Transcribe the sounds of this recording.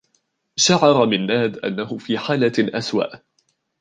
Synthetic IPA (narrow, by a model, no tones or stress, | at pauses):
ʃaʕɑɾˤɑmɪnːaːd̪ʔa̰nːaɦʊfiːħaːlaʔaswa̰ʔ